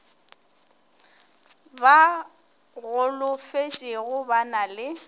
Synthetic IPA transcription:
ba | ɣʊlʊfet͡ʃʼɪɣʊbanalɪ

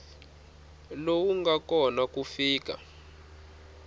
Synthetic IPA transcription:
lowuŋɡakɔnakufiːk̬a̰

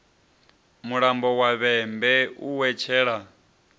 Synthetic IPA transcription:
muɺambɔwaβɛmbɛuwɛt͡ʃʰɛːɺa

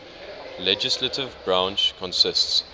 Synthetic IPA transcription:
lɛd͡ʒɪslətʰɪvbɹãnt͡ʃkʰɔ̃nsɪsts

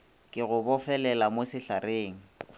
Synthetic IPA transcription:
kʼɪɣʊbɔfɛlɛlamosɪɬareːŋ̩

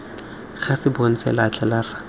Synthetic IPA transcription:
χasɪbon̩sɛ̰lat͡ɬʰʼɛlara

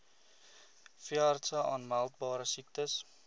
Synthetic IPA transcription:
fiɐrtsəʔɑːnmælˠt̚bɑːɾəsik̚təs

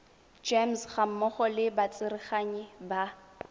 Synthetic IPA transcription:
d͡ʒemsχam̩mɔχɔlɪbat͡sʼɪɾɪχaɲɛba

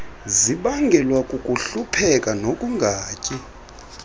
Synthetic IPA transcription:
ziɓaŋɡʱɛlwakʼukʼuɬupʰɛkʼanokʼuŋɡʱaːcʼi

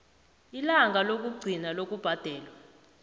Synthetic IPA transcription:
ilaŋɡʱalok̬ʼuɡ͡ǀʱinalok̬ʼub̥ʱad̥ʱɛːlwa

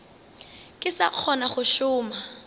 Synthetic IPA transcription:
kʼɪsaq͡χʰɔnaχʊʃʊːma

